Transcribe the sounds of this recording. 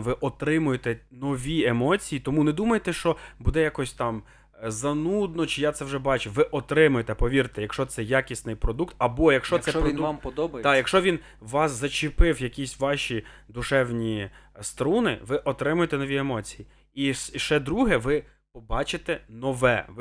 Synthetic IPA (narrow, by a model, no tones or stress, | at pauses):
nʋɪʔɔt̪ɾɪmʊjet̪ɛnɔʋʲiemɔt͡sʲijit̪ɔmunɛd̪umɐjet̪ɛʃt͡ʃɔbud̪ɛjakɔsʲt̪ɑm | zɐnud̪̚nɔt͡ʃɪjat̪sɛwʒɛbɑt͡ʃʊʋɪʔɔt̪ɾɪmʊjet̪ɛpɔʋʲiɾt̪ɪjɐkʃt͡ʃɔt̪sɛjɑkʲisnɪjpɾɔd̪ukt̪ɐbɔjɐkʃt͡ʃɔsɛɾɔinmpɔd̪ɔbɐjd̪ɑjjɐkʃt͡ʃɔʋʲin | ʋɑszɐt͡ʃɪpɪwjɐkʲisʲʋɑʃʲid̪ʊʃɛwnʲist̪ɾunɪ̰ʋɪʔɔt̪ɾɪmʊjt̪ɛnɔʋʲiemɔt͡sʲiji | iʃʃɛd̪ɾuɦɛʋɪ | pɔbɑt͡ʃɪt̪ɛnɔʋɛ̰ʋ